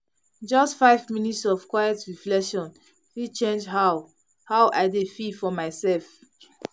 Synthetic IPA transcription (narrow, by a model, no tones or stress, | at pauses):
d͡ʒʌstfaɪvminitsɔvkwajɛtɹiflɛkʃɔ̃n | fit͡ʃẽnd͡ʒɦaʊ | haʊʔaɪdefifɔmaɪsɛlf